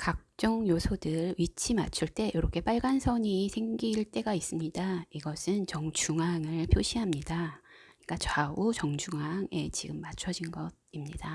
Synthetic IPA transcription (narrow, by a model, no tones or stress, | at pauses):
kak̚t͡ɕ͈ʌŋjosʰodɯɭɥit͡ɕʰima̰t͡ɕʰuɭt͈e̞joɾʌkʰe̞p͈aɭɡansʰʌɲisʰe̞ŋɡiɭt͈e̞ɡais͈ɯmɲidaiɡʌsʰɯnt͡ɕʌŋt͡ɕʰuŋɦaŋɯɭpʰjoɕʰiɦamɲidaɲik͈at͡ɕwaut͡ɕʌŋd͡ʑuŋɦaŋe̞t͡ɕiɡɯmːat͡ɕʰʌd͡ʑinɡʌd̚imɲida